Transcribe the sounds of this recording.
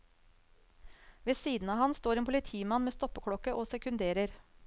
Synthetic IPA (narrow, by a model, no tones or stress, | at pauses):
ʋeːsiːd̪n̩ɑːʋhɑnst̪oːɾeːnpʰʊlɪt̪ʰiːmɑnmeːst̪ɔpəkʰɽɔkəʔoːsɛkʉnd̪eːɾəɾ